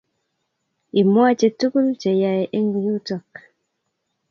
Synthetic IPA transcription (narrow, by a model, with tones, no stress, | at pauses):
i˨mwa˦t͡ʃe˨tu˦ku˦lt͡ʃe˨ja˨e˨ʔe˦ŋ˨ju˦tɔ˨k